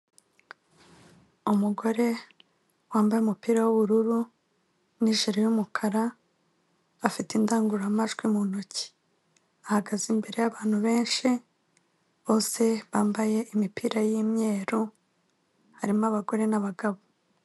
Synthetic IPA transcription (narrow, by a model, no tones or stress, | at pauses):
umuɡo̞ɾe̞ | waːmbajumupiːɾawuβuɾuɾu | niʒiɾejumukʰaɾa | fitindaːŋɡuɾamaʒɡwimunoci̥ | ahaɡazimbe̞ɾe̞jaβaːn̥huβe̞ːnʃi | βo̞ːse̞βaːmbaje̞ʔimipʰiːɾajimɲe̞ːɾu | haɾimaβaɡo̞ɾe̞naβaɡaβo